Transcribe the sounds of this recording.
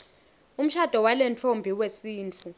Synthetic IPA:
um̩ʃad̥ʱɔwalɛnt͡ɬʰombʱiwesiːnt͡fʰu

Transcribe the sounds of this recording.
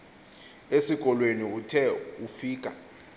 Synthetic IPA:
esik̬ʼɔlweniutʰɛufiːk̬ʼa̰

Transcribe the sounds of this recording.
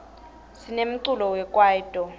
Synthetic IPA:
sinem̩ǀulɔwɛkʼwaːitʼɔ

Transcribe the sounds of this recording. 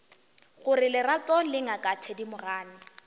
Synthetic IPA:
ɣʊrɪlɪratʼɔlɪŋakʼatʰɛdimʊraːnɪ

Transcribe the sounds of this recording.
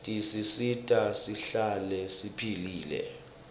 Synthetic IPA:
tʼisisitʼasiɬalɛsipʰiliːlɛ̰

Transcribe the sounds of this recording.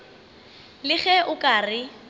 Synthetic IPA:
lɪɣɛʔʊkʼarɪ

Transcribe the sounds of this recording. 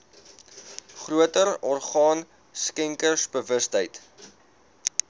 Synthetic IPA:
χruətərɔrχɑːn | skɛŋkərsbəvəstɦəjt

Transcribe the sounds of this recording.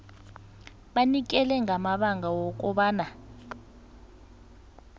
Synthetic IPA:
ɓanik̬ɛlɛŋʱamaɓaŋɡawɔk̬ʼɔɓaːna

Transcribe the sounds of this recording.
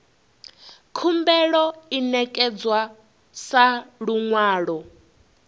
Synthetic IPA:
kʰumbɛɺɔinɛkʼɛd͡zwa | saɺuŋwaːɺɔ

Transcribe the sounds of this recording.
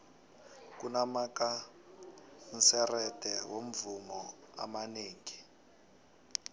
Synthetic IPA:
kunamaka | n̩sɛrɛd̥ʱɛwom̩vumɔa̰maneːŋi

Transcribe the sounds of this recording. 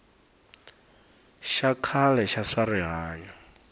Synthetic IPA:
ʃakʰalɛʃaʂaɾiɦaːɲɔ

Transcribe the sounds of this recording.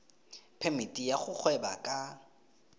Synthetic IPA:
pʰɛmitʼijaχʊk͡xʰwɛba̰kʼa

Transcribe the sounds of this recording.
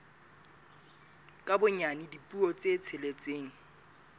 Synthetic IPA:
kʼabʊɲanɪdipʼuɔt͡set͡sʰelet͡sʼeːŋ̩

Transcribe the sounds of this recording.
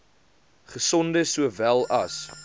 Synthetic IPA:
χəsɔndəsuəvælˠɐs

